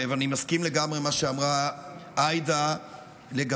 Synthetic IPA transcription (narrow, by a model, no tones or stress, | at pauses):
vanimaskimle̞ɡamʁe̞maʃeamʁaʔajd̪a | leɡa